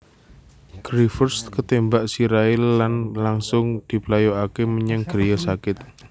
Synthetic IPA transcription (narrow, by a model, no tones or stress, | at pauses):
ɡ̥ɾifərst̪kət̪embaʔsiɾaɪlːanlaŋsʊŋd̪̥i̤plajoakeməɲəŋɡ̥ɾejəsakɪt̪̚